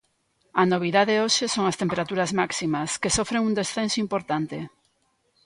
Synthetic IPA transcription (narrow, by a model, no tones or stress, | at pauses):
ɐnoβ̞iðaðeoʃesoŋɐst̪empeɾat̪uɾazmaksimɐskesofɾeŋund̪esθensoimpoɾt̪ant̪e